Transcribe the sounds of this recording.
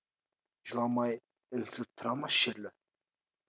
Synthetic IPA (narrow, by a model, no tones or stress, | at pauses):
ʒlˠɑmɑj | ɪlsɪp̚t̪ʰʊɾɑmɑsʃeɾlʲɪ